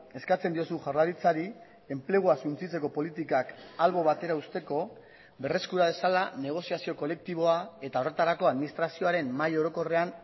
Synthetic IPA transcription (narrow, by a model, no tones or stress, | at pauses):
e̞skat͡se̞nd̪io̞suʝaɾlaɾit͡saɾi | e̞mple̞ɣ̞uasunt͡sit͡se̞ko̞po̞lit̪ikakalβo̞β̞at̪e̞ɾaust̪e̞ko̞ | be̞re̞skuɾað̞e̞salane̞ɣ̞o̞siasio̞ko̞le̞k̚t̪iβo̞ae̞t̪ao̞re̞t̪aɾako̞aðminist̪ɾasio̞aɾe̞mːajo̞ɾo̞ko̞re̞an